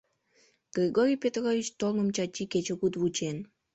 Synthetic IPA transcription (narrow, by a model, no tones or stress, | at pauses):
ɡ̥rʲiɡoɾʲijpʲet̪ɣovʲit͡ɕt̪olŋəmt͡ɕɑt͡ɕʲːiket͡ɕeɣud̪βut͡ɕen